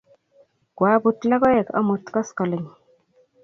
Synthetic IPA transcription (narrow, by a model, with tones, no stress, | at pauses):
kwa˨˦bu˨tla˦kɔ˦ɛ˨kɔ̰˦mu˨t̪kɔ˦skɔ˨le˨ɲi